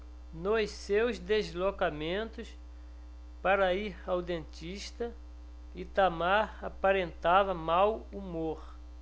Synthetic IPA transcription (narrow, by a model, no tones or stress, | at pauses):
nossewzd̪ezlokamẽnt̪ʊs | paɾɐiɾawd̪ẽnt͡ʃ̪iʃt̪ɐ | it̪amaɾapaɾẽnt̪avɐmawumoɾ